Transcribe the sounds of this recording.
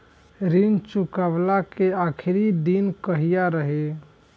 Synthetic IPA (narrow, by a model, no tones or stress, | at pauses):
ɾint͡ʃukaʋlakeakʰiɾid̪inkəɦijaɾəɦe